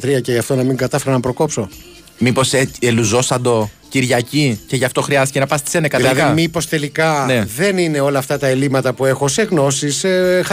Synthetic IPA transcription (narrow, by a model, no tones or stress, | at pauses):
t̪ɾiɐceʝɐft̪o̞nɐmiŋɡɐt̪ɐfeɾɐnɐpɾo̞ko̞pso̞ | mipo̞seeluzo̞sɐnd̪o̞ | ciɾʝɐcice̞ʝɐft̪o̞xɾiɐst̪ice̞nɐpɐst̪esenɐkɐt̪iɾɐiðiɐmipo̞st̪e̞likɐneðe̞nine̞o̞lɐːft̪ɐt̪ɐelimɐt̪ɐpue̞xo̞seɣno̞sisx